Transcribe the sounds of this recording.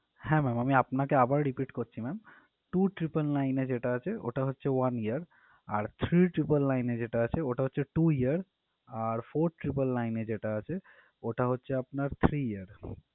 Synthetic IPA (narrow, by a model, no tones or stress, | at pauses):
hɛ̃mɛmamiapnakeabaɾɾipiʈkoɾt͡ʃʰimɛm | ʈuʈɾipəlnained͡ʑeʈaət͡ʃʰeo̰ʈaɦotːʃʰewanijəɾ | aɾt̪ʰɾiʈɾipəllajned͡ʑeʈaət͡ɕʰeoʈaɦotːʃʰeʈuiəɾ | aɾpʰoɾʈɾipəlːajned͡ʑeʈaət͡ɕʰe | oʈaɦotːʃʰeapnaɾt̪ʰɾiijəɾ